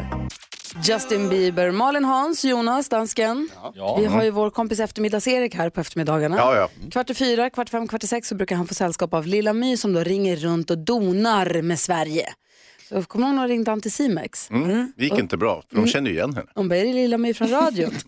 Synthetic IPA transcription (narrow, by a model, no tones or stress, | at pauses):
d͡ʒast̪ɪnbiːbəɾmɑːɭɪnɦɑnsjuːnasd̪anskənvɪɦaɾjɵvoːɾkʰɔmpɪsɛft̪əɾmɪd̪ːɑseːɾɪkhæːɾpʰɔɛft̪əɾmɪd̪ɑːɡaɳakʰvaʈːɪfyːɾakʰvaʈːɪfɛmːkʰvaʈːɪsɛksːɔbɾʉ̟kaɾhanfoːsɛlːskɑːpavlɪlːamyːsɔmd̪oːɾɪŋːəɾːɵnt̪ɔd̪uːnaɾmɛːsvæɾjə | sɔkʰɔməhoːɡnɔɾɪŋd̪ant̪ɪsiːmɛ̰ksɪjɪkɪnt̪əbɾɑ̰ːfœɔmɕɛnd̪əjʏ̰jɛ̰nːɦɛ̰nːəhʊmbɛjɾɪlɪlːamyːfɾɔnɾɑːd̪jʊ